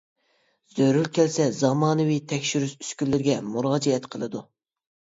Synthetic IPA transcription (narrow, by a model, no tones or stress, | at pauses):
z̥øɾylkʲʰɛlsɛzɑmɑːnɨwit̪ʰɛkʲʃyɾysy̥skʲylːɪɾɪɡʲɛmuɾɑːd͡ʒɛɛt̪qʰəlˠɨd̪u